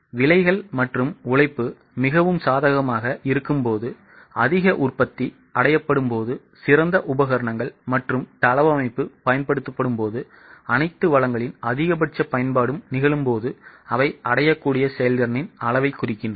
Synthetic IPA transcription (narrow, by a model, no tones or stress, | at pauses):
ʋɪlɐɪɣɐɭmɐʈrɯmʊɭɐɪpːɯ | mɪɣɐʋɯmsaːðɐɣɐmaːɣɐʔɪɾɯkːɯmpoːðɯ | ɐðɪɣɐʔʊrpɐt̪ːi | ɐɽɐjɐpːɐɽɯmpoːðɯ | sɪɾɐnd̪ɐʔʊbɐɣɐɾɐɳɐŋɡɐɭmɐʈrɯmt̪ɐlɐʋɐmɐɪpːɯpɐjɐnpɐɽɯt̪ːɐpːɐɽɯmpoːðɯ | ɐnɐɪt̪ːɯʋɐɭɐŋɡɐɭɪnɐðɪɣɐbɐʈt͡ʃːɐpɐjɐnpaːɽɯmnɪɣɐɭɯmpoːðɯɐʋɐɪɐɽɐjɐkːuːɽɪjɐsɛjɐldɐɾnɪnɐɭɐʋɐɪkːʊrɪkːɪndrɐ